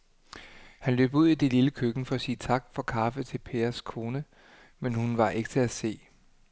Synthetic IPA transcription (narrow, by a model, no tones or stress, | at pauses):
hænlø̰ːb̥uð̞̰ˠid̥e̝liləkʰøɡ̥n̩fɒ̽æsiːət͡sʰɑ̈ɡ̥̚fɒ̽kʰɑ̈fət͡sʰe̝lpʰeːɐskʰo̝ːnə | menhunʋɑ̈ʔe̝ɡ̥ə̥t͡sʰe̝æse̝̰ː